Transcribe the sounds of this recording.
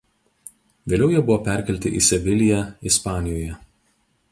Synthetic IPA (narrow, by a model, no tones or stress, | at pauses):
ʋʲeːlʲɛʊjɛːbʊʋoːpʲɛˑɾʲkʲɛlʲt̪ʲɪʔḭsʲɛʋʲɪlʲɪjæɪspɑːnʲɪjoːjɛ